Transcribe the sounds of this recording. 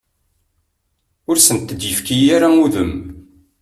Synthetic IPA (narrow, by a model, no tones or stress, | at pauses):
ʊɾsənt̪ːəd̪jəfkijaɾauðəm